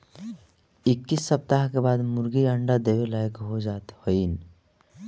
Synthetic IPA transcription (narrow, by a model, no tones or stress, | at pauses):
ɪkːisːəp̚t̪aɦkebaːd̪mʊɾɡiaɳɖad̪eʋelajəkɦod͡ʒaːt̪hoin